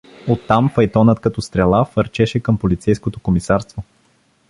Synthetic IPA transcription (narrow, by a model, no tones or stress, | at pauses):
ot̪ːamfɐjt̪ɔnət̪kɐt̪ɔst̪ɾɛlˠafəɾt͡ʃɛʃɛkəmpolit̪sɛjskot̪okomisaɾst̪vo